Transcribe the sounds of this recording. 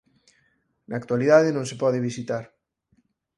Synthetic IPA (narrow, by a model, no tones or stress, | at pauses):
naːkt̪waliðaðenõŋsepɔðɪβisit̪aɾ